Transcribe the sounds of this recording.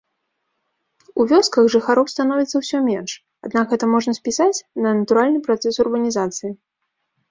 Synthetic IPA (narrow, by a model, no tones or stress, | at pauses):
uvʲɔskɐɣʐɨxaɾɔwst̪anɔvʲit̪sːɐwsʲɔmʲɛnʂ | ad̪nakɦɛt̪ɐmɔʐnɐsʲpʲisat͡sʲnɐnɐt̪uɾalʲnɨpɾat̪sɛsurbɐnʲizat̪sɨji